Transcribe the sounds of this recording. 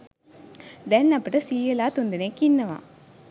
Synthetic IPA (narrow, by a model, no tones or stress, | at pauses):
d̪ɛnːɐpːɐʈɐsiːjɐlaːt̪und̪ɯnekːinːɐʋã̰ː